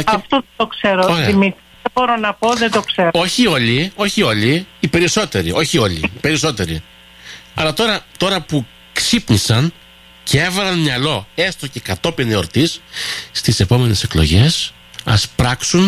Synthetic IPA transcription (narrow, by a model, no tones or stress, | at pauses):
ɐft̪ot̪okseɾooɾeimit̪ | ebo̞ɾonɐpo̞ðed̪okseɾo̞çio̞lio̞çio̞liːpe̞ɾiso̞t̪e̞ɾiʔo̞çio̞lḭpe̞ɾiso̞t̪e̞ɾi | ɐlɐt̪o̞ɾɐt̪o̞ɾɐpu | ksipnisɐn | cee̞vɐlɐnmɲjɐlo̞e̞st̪o̞ce̞kɐt̪o̞pineo̞ɾt̪isːt̪isepo̞me̞ne̞se̞klo̞̰ʝe̞s | ɐ̰spɾɐksun